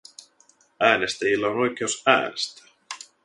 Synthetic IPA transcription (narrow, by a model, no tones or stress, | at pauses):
æːnest̪æjilːæono̞jk̟eosæ̰ːnest̪æ̥